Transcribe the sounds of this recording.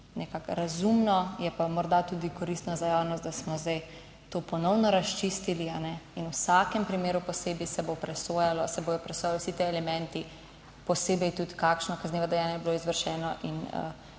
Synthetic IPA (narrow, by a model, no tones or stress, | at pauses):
nɛkakɾazumnɔjɛpamɔɾd̪at̪uːd̪ikɔɾist̪nazajawnɔst̪d̪asmɔzd̪aj | t̪oːpɔnɔwnɔɾast͡ʃist̪ilianɛinusakɛmpɾimeːɾupɔseːbisɛbopɾɛsoːjalɔsɛboːjɔpɾɛsoːjalwsit̪eɛlɛmɛ̃nt̪i | pɔseːbɛjt̪ut̪kakʃnɔkazneːʋɔd̪ɛjaːnjajɛbiloizʋəɾʃɛːnɔʔḭnə̰